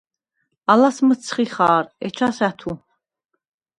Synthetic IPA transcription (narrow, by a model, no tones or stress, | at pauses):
alasmət̪sʰχiχaːɾɛt͡ʃʰasæt̪ʰu